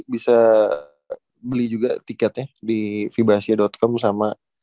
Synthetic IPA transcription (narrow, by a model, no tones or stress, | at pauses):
bisa | bəlid͡ʒuɡat̪ikɛt̪ɛdifibɾasiadɔt̪̚kɔmsama